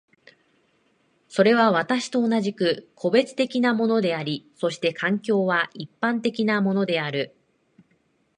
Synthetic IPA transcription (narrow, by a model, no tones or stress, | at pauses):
so̞ɾe̞β̞aβ̞at̪aɕi̥t̪o̞ːnaʑikɯ̟kʰo̞be̞t͡sɨ̥t̪e̞kʲinamo̞no̞d̪e̞aɾʲiso̞ɕi̥t̪e̞kʰãŋkʲo̞ːβaipːãnt̪e̞kʲinamo̞no̞d̪e̞aɾɯ̟